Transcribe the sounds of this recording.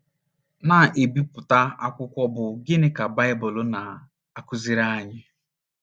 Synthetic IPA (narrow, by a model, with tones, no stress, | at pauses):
na˨ʔe˨bi˦pʊ˨ta˦a˦kʷʊ˦kʷɔ˦bʊ˨ɡɪ˦nɪ˦ka˨ba˦ɪ˦bʊ˨lʊ˦na˨ | a˨kʊ˦zi˦ɾa˦a˦˨ɲɪ˦